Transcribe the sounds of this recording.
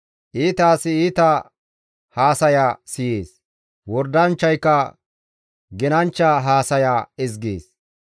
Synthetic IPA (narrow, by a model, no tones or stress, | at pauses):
ʔiːt̪aːsɪiːt̪ɐ | haːsɐjaːsɪjeːs | wɔɾd̪ɐnt͡ʃːɐjkːɐ | ɡɛnɐnt͡ʃːɐɦaːsɐjaːɪzɡḛːs